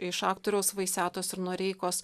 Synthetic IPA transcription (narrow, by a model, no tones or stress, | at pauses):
ɪʃɑːkt̪oːɾʲɛʊsʋɐɪsʲæːt̪oːsɪɾnuɔɾʲɛɪkoːs